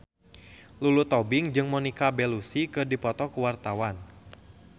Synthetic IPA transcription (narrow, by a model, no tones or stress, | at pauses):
lulut̪ɔbɪŋd͡ʒɨŋmɔnikabɛlusikɨrdipɔt̪ɔkuwart̪awan